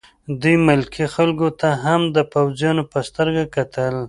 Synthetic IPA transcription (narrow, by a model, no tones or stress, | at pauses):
d̪ujmɪlkʰixalɡot̪aɦamd̪əpawzjɑnopəst̪əɾɡakat̪ʰəl